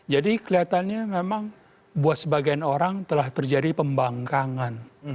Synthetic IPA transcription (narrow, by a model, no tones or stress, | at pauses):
d͡ʒadikəliat̪anɲamemaŋ | buat̪səbaɡajanoɾaŋt̪əlaht̪ərd͡ʒadipəmbaŋkaŋan